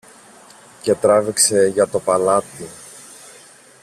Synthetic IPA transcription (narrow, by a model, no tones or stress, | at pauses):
cet̪ɾɐvikseʝɐt̪o̞pɐlɐt̪i